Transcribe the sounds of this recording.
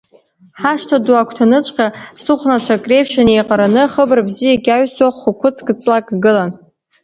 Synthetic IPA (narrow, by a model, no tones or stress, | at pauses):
ħaʂtʰaduakʷʰtʰanɨt͡ʃʷʼqʲasɨχʷnat͡ʃʷʰakʼrepʃanejqʼaɾanɨχəbrbzijaɡʲaɥswaχʷʊkʷʰʊt͡sʼkɨt͡sʼlakɡɨlan